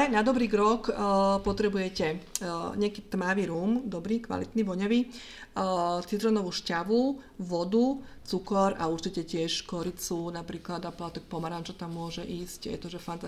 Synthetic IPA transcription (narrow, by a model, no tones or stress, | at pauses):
ɛnad̪ɔbɾiːkɾɔkpɔt̪ɾɛbujɛcɛɲɪɛkiːt̪maʋiːɾuːmd̪ɔbɾiːkʋa̰lit̪niːʋɔɲaʋiː | t͡sid̪ɾɔnɔʋuːʃcaʋuʋɔd̪ut͡sukɔɾauɾt͡ʃicɛcɪɛʃkɔɾit͡sunapɾiːklad̪aplat̪ɔk̚pɔmaɾant͡ʃɔt̪amːʊɔʒɛʔiːscjɛ̰t̪ɔʒɛfant̪a